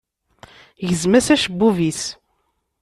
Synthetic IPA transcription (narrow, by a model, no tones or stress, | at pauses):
ʝəzmæsæʃəbːuvis